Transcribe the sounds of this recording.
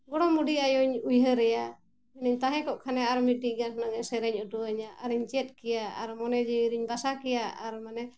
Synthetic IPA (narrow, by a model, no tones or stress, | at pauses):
ɡɔɽɔmuɖiajɔɲujɦəɾɛja | ɛniɲt̪aɦɛ̃kɔʔkʰanɛaɾmiʈiʔɡanhnaɡɛsɛɾɛɲuʈuəɲaaɾiɲd͡ʒɛt̪̚ˀkɛjaa̰ɾmɔnɛd͡ʒɛiɾiɲbasakɛjaaɾmanɛ